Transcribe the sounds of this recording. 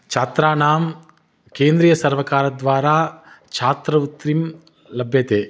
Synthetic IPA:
t͡ʃʰaːt̪ɾaːnaːm | keːnd̪ɾijɐsɐɾʋɐkaːɾɐd̪ʋaːɾaː | t͡ʃʰaːt̪ɾɐut̪ɾim | lɐbʱjɐt̪eː

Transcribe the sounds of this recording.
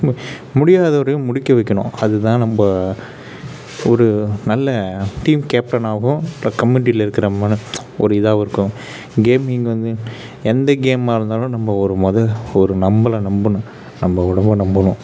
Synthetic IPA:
mʊɽɪjaːðɐʋɐɾɐjʊ̃mʊɽɪkːɐʋɛkːɐɳʊ̰̃ɐðɯt̪ãːnɐmbɐ | ɔɾɯnɐlːɐʈiːmkeːp̚ʈɐnaːɣʊ̃lːɐkɐmːɪnɪʈ̬ɪlɐɪɾɯkːɪɾɐmaːnɯ | ɔɾɯɪðaːʋɪɾɯkːʊ̃ | ɡeːmɪŋɡɐʋɐnd̪ɯ | ɛnd̪ɐɡeːmaːɪɾɯnd̪aːlʊ̃nɐmbɐɔɾɯmɔðɐlɔɾɯnɐmbɐlɐnɐmbɐnɯ | nɐmbɐʊɽɐmbɐnɐmbɐɳʊ̃

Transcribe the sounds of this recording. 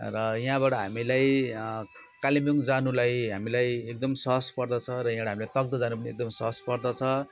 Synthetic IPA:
rʌjɦãbaʈʌɦa̰milaj | kalimjuŋd͡zanulajɦamilajek̚d̪ʌmsʌɦʌspʌrd̪ʌt͡sʰʌɾʌj̃ɦãɽaɦamilajt̪ʌɡ̚d̪ʌd͡zanupʌniek̚d̪ʌmsʌɦʌspʌrd̪ʌt͡sʰʌ

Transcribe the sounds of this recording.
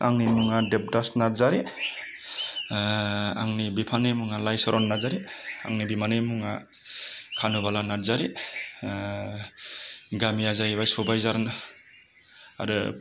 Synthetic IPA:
aŋnimuŋadep̚dasnaɾzaɾi | aŋnibipʰanemuŋalajsɔɾɔnːazaɾia̰ŋnibimanɯmuŋa | kʰanubalanaɾzaɾi | ɡamiazajbajsobajzaɾnɯ | a̰ɾɯ

